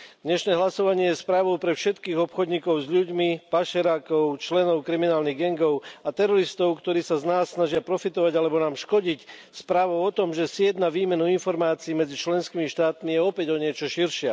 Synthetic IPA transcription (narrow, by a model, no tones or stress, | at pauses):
d̪ɲɛʃnɛːɦlasɔʋaɲɪɛjɛspɾaːʋɔʊpɾɛfʃɛt̪kiːɣɔpxɔd̪ɲiːkɔʊzʎuɟmipaʃɛɾaːkɔʊt͡ʃlɛnɔʊkɾiminaːlniɣɡɛŋɡɔʊat̪ɛɾɔɾist̪ɔʊkt̪ɔɾiːsaznaːsːnaʒɪapɾɔfit̪ɔʋaɟalɛbɔnaːmʃkɔɟicspɾaːʋɔʊɔt̪ɔmʒɛsɪjɛd̪naʋiːmɛnuinfɔɾmaːt͡siːmɛd͡zit͡ʃlɛnskiːmiʃt̪aːt̪mijɛɔpɛɟɔɲɪɛt͡ʃɔʃiɾʃɪɛ